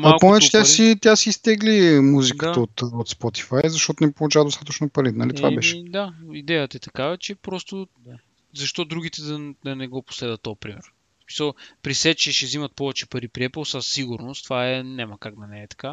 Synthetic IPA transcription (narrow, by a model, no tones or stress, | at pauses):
maalˠkponɛt͡ʃɛ̥t̪ʲasit̪ʲjasiːst̪ɛɡlimuzikət̪əot̪ot̪spɔt̪i̥fajzɐʃt̪ɔt̪onɛpolˠut͡ʃavəd̪ost̪at̪ət͡ʃnopɐɾinɐlit̪va̰bɛʃɛd̪aid̪ɛjət̪ɐɛt̪ɐkavɐt͡ʃɛpɾɔst̪o | zɐʃt̪ɔd̪ɾuɡʲit̪ɛd̪ɐd̪ɐnɛɡɔpo̥slɛd̪ət̪ːɔpɾimɛ̰ɾ | smi̥səlˠpɾisɛt͡ʃɛʃɛzimɐt̪̚pɔvɛt͡ʃɛpɐɾipɾiɛplˠsassiɡuɾnost̪vaɛnɛmɐkakd̪ɐnɛɛt̪ɐ̥ka